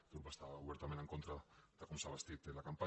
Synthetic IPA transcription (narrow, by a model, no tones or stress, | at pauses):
t̪upast̪aβuβeɾt̪ameneŋkont̪ɾad̪akunsaβast̪it̪elakampa